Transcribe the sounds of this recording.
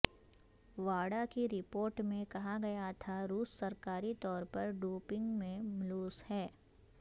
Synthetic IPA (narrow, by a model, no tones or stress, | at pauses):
ʋaːɽakiɾɪpoːɾʈmẽkɐɦaɡɐjat̪ʰaɾuːssɐɾkaːɾit̪ɔːɾpɐɾɖuːpɪ̃ŋɡmẽmluːshɛː